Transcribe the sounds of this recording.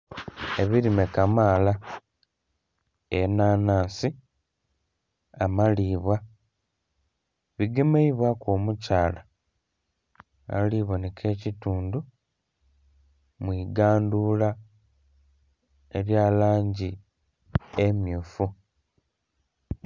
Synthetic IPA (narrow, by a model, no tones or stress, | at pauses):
eβiɾimekamaːla | enaːnaːsi | amaliːβwa | βiɡemeiβwakoːmucaːla | a̰liβwonekʰe̞ːcituːndu | mwiːɡaːndula | eɾjalaːɲɟi | emjuːfu